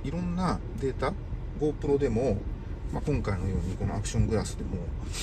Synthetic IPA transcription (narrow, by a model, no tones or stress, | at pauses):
iɾõ̞nːa | d̪e̞ːt̪a | ɡo̞ːpɯ̟ɾo̞d̪e̞mo̞ | makõ̞ŋkaino̞jo̞ːɲ̟iko̞no̞̰akɯ̟ɕõ̞ŋɡɯ̟ɾasɨd̪e̞mo̞